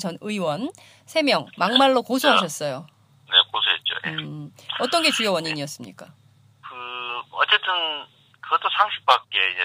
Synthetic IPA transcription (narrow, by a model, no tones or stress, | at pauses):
t͡ɕʌnɯiwʌn | sʰe̞mjʌŋmaŋmaɭːokosʰuɦaɕ̬ʰʌs͈ʌjo | ne̞̰kosʰuet̚t͡ɕ͈o̰jeʌt͈ʌnɡe̞t͡ɕujʌwʌɲiɲiʌs͈ɯmɲḭk͈a | kɯʌtt͡ɕ͈e̞t͈ɯn | kɯɡʌt͈osʰaŋɕʰi̥p͈ak̚k͈eid͡ʑe